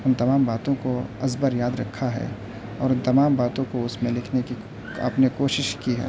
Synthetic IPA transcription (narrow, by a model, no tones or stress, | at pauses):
ʊnt̪ɐmaːmbaːt̪õkoɐzbəɾjaːd̪ɾɐkʰːaɦɛ̰ː | ɔːɾʊnt̪ɐmaːmbaːt̪õkoʊsmẽlɪkʰneki | ɐ̰pnekoːʃɪʃkiɦɛ̰ː